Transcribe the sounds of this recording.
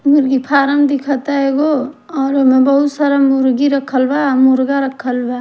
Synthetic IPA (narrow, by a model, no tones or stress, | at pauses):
muɾɡipʰaːɾəmd̪ikʰət̪aeɡo | ɔːɾomẽbəɦut̪saɾamuɾɡiɾəkʰːəlbamuɾɡaɾəkʰːəlba